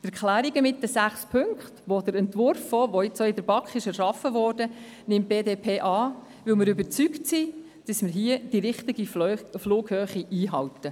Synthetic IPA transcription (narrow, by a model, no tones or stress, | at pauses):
tɛɾklæːɾiɡəmɪt̚dəsæχspʰʏŋkχtʋodəɾɛntvʊɾfoːʋoɪt͡soɪdəɾbɑkχɪʃɛɾʃɑfəvɔːrdə | nɪmt̚b̥eːdeːpʰeːʔɑː | ʋɪlməɾybəɾt͡syktsi | d̥əsmɪɾɦiəd̥iɾɪχtɪɡifluːkhøːχiʔiːɦɑltə